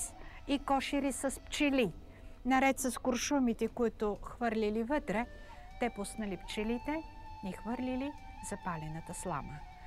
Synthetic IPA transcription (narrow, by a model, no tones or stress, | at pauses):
sikɔʃiɾisɐspt͡ʃili | nɐɾɛt̪sɐskʊɾʃumit̪ɛkʊit̪ʊxvɤɾlʲilivət̪ɾɛ | t̪ɛpʊsnɐlipt͡ʃɛlit̪ɛixvɤɾlʲili | z̥ɐpalʲɛnət̪əslˠa̰mə